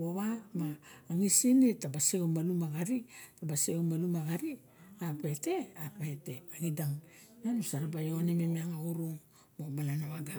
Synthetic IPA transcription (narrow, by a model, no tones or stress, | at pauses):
woβamaːŋisinetabasiɡomalumaɡaɾitabasiomalumaɡaɾi | apeete̞apaeteaŋidaŋ | nanusaɾabajonemimiaŋaɡuɾuŋ | mobalanaβaɡa